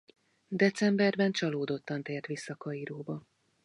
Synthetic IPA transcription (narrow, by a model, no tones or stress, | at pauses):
d̪ɛt̪sɛmbɛrbɛnt͡ʃɒloːd̪o̞t̪ːɒnt̪eːrt̪ʋisːɒkɒiɾoːbɒ